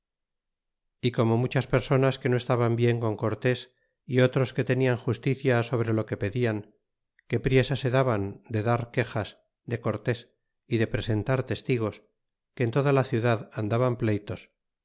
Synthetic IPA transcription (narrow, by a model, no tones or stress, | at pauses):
iko̞mo̞mut͡ʃaspe̞ɾso̞naske̞no̞est̪aβambje̞ŋko̞ŋko̞ɾt̪e̞s | io̞t̪ɾo̞ske̞t̪e̞niaŋxust̪iθjaso̞β̞ɾe̞lo̞ke̞pe̞ðiaŋ | ke̞pɾje̞sase̞ðaβand̪e̞ðaɾke̞xas | d̪e̞ko̞ɾt̪e̞s | iðe̞pɾe̞se̞nt̪aɾt̪e̞st̪iɣ̞o̞s | ke̞ːnt̪o̞ðalaθjuðaðand̪aβamplejt̪o̞s